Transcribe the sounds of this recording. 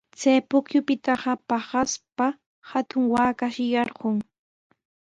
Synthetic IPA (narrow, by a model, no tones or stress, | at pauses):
t͡sajpʊkjʊpɪt̪ɑɢɑpɑɢaspa | hat̪ʊŋwaːkaʃɪjɑɾɢʊŋ